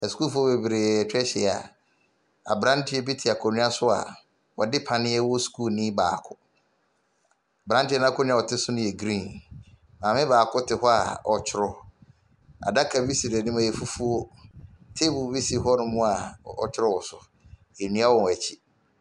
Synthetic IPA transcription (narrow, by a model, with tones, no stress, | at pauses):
ɛ˨skuː˦fu˦ɔ˦be˨bɾe˨t͡ɕᶣɛ˦ɕɛ˨a̰˨ | a̰˨bɾã˦tʰɪ˦ɛ˦bi˦tʰɪ˨a˨kʰɔ˨nĩ˦a˦sʊ˦a̰˨ | wɔ˨dɪ˦pʰa˨nɪ̃˦ɛ˦wɔ˦skʰuː˦˨nɪ̃˦baː˨kʰʊ˦˨ | bɾã˦ntɪ˦ɛ˦nã˦kʰʊ˦nɪ̃˦a˨ɔ˨tʰɪ˦sʊ˦nʊ̃˦ɛ˨ɡɾĩː˦˨n | mã˨mɪ̃˦baː˨kʰʊ˦tʰɪ˨hɔ˦a̰˨ɔ˨t͡ɕʰɪ˨ɾɔ˨ | a̰˨da˦kʰa˨bi˦si˨ɾɛ˨nɪ̃˦mã˨jɛ˨fu˦fu˦o˦ | tʰe˦bʊ˨bi˦si˨ɦɔ˦nʊ̃˦mʊ̃˦a˨ɔ̰˨t͡ɕʰɪ˦ɾɔ˦wɔ˨sʊ˨ | e˨nĩ˦a˦wɔ̃˨ɛ˨t͡ɕʰɪ˦